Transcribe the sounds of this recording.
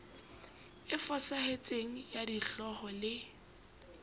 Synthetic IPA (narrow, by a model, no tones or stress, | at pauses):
ɪfɔsahet͡sʼeŋ̩jadiɬɔχɔlɪ